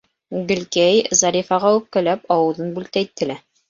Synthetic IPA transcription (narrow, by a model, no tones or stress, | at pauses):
ɡɘ̆lkæjzɑɾʲifɑʁɑʉp̚kælæpɒwɤ̆ðɤnbʉlt̪æjit̪ːɘ̆læ